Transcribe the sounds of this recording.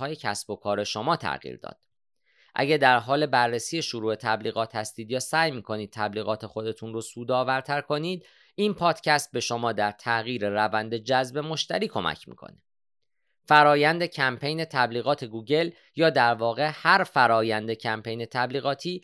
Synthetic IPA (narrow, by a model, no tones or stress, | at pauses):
ɒːjecʰæsb̥o̞kʰɒːɾe̞ʃo̞mɒːt̪ʰæ̰ɣḭːɾd̪ɒ̰ːd̪̥̚ | ʔæ̰ɟæd̪æɾɦɒːle̞bærːesiːe̞ʃoɾuːe̞t̪ʰæbliːɣɒːt̪hæst̪iːd̪jɒːsæːjmiːkʰo̞niːd̪̚t̪ʰæbliːɣɒːt̪ʰe̞xo̞d̪e̞t̪ʰunrosuːd̪ɒːvæɾt̪ʰæɾkʰo̞niːd̪ | ʔinpʰɒːd̪̥cʰæst̪̚be̞ʃo̞mɒːd̪æɾt̪ʰæɣiːɾe̞rævænd̪e̞d͡ʒæzbe̞mo̞ʃt̪æɾiːkʰo̞mæ̰cʰmḭːkʰo̰ne | fæɾɒːjænd̪e̞cʰæmpʰejne̞t̪ʰæbliːɣɒːt̪ʰe̞ɡuːɟe̞l | jɒːd̪æɾvɒːɣe̞hæɾfæɾɒːjænd̪e̞cʰæmpʰe̞jne̞t̪ʰæbliːɣɒːt̪ʰiː